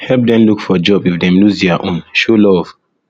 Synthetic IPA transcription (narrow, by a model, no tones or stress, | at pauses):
hɛlp̚dɛ̃mlukfɔd͡ʒɔbifdɛ̃mluzdɛaʔõnʃolɔv̥